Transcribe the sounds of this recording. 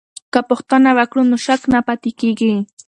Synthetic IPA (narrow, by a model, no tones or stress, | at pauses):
kapoχt̪anawakɾʊnʊʃaknapat̪ɪjkɪjkɪ